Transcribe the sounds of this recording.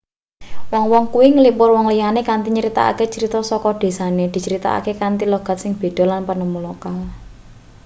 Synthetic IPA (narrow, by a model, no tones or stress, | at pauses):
wɔŋwɔŋkuwiŋəlipʊrwɔŋlijanekant̪iɲəɾit̪a̰ʔa̰ket͡ʃəɾit̪ɔsɔkɔɖ̪̥e̤saned̪̥i̤t͡ʃəɾit̪a̰a̰kekant̪iloɡ̥a̤t̪̚sɪŋb̥e̤ɖ̪̥ɔ̤lanpənəmulokal